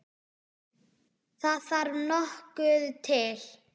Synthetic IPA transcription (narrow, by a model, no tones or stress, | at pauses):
θaðvaɾnɔhkʏðt̪ʰɪl